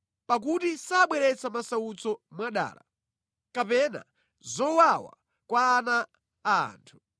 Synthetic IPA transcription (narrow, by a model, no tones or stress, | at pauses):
pak̬utisaɓwɛɾɛt͡samasaut͡sɔmwaɗa̰ːla̰ | kapɛna̰ | zɔwawa̰ | kwaːna̰ː | ntʰu̥